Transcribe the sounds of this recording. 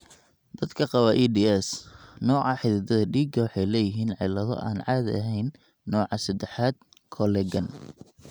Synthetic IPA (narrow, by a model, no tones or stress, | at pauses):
d̪̥ɐd̪kʰɐqɑβɐʔiːdiːɛsnɔːʕɑħɪðɪd̪ɐðɐɖiːɡɐwħɑjlɛːjɪɦiːnʕɪlɐðɔ̰ʔaːnʕɑːðɐɦɛjnː | ɔːʕɑsɐd̪ɛħaːd̪̚ | kʰɔlɛɡɐn